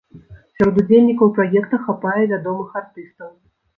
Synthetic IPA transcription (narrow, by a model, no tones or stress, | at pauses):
sʲaɾɔd̪ud͡zʲelʲnʲikɐwpɾajɛkt̪ɐxapajɛvʲad̪ɔmɨxart̪ɨst̪ɐw